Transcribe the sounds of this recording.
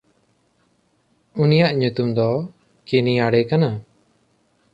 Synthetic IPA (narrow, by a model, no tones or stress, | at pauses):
unijaʔɲut̪umd̪ɔ | kiniaɽɛkana